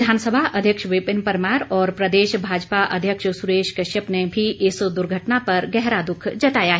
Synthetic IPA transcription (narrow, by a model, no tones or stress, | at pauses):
d̪ʱaːnsəbʱaɐd̪ʱjəkʃʋɪpɪnpɐɾmaːɾɔːɾpɾɐd̪eːʃbʱaːd͡ʒpaʔɐ̰d̪ʱjəkʃsʊɾeːʃkɐʃəpnebʱiʔɪsd̪ʊɾɡʱəʈnapɐɾɡɛɦɾad̪ʊkʰd͡ʒɐt̪aːjaɦ